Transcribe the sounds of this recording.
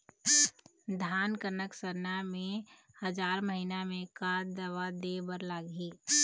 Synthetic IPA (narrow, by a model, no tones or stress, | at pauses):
d̪ʱaːnkəɾnəksəɾnamẽhəd͡ʒaːɾməɦinamẽkaːd̪əʋad̪ebəɾlaːɡiː